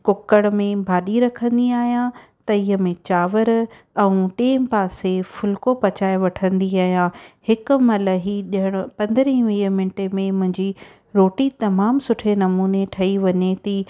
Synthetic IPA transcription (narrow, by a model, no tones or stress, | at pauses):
kʊkəɽmẽbʱaːɗiɾɐkʰə̃nd̪iaːɦijãt̪ɐiːɦəmẽt͡ɕaːʋəɾ | ɛ̃ũʈeːmpaːsefʊlkopɐt͡ɕaːɪʋɐʈʰə̃nd̪iaːɦijãhɪkʊ̆mɐləɦiɗɪɦəɽ̃ʊ̆pɐ̃nd̪əɾĩʋiːmɪ̃ɳʈemẽmʊ̃ɦɪ̃ɲd͡ʑi | ɾoːʈit̪ɐmaːmsʊʈʰenɐmuːneʈʰɐiʋɐɲet̪iː